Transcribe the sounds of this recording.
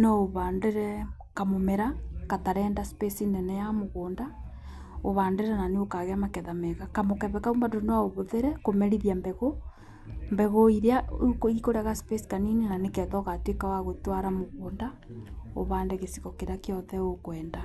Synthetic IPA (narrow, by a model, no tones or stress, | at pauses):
nooβandeɾɛ | kamomeɾakataɾɛːndaspesinɛnɛjamoɣoːnda | oβaːndeɾɛnaneokaɣeamakɛðamɛɣakamokɛβɛkaumbandonaoβoðeɾɛkomɛɾiðjambɛɣo | mbɛɣoiɾeaukoikoɾaɣaspesi̥kaninenanekɛðɔɣatekawaɣotwaɾamoɣoːnda | o̰βaːndeɣesi̥kɔkeɾakeɔðɛokwɛːnda